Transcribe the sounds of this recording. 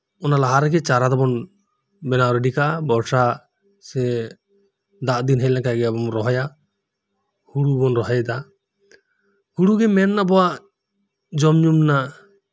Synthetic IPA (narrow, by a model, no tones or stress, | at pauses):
ɔnalaɦaɾɛɡɛt͡ʃaɾad̪ɔbɔn | bɛnaɾɛɖikaʔabɔɾsa | sɛ | d̪aʔd̪inɦɛlɛkaɡɛabɔmɾɔɦɔja | huɽubɔnɾɔɦajd̪a | huɽuɡɛmɛnːabɔwaʔ | d͡ʒɔmɲumna